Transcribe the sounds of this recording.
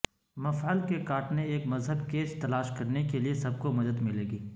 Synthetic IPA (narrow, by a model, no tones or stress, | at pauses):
mɐfalkekaːʈneeːkmɐzɦəbkeːt͡ʃt̪ɐlaːʃkɐɾnekeliesɐb̚komɐd̪əd̪mɪleːɡiː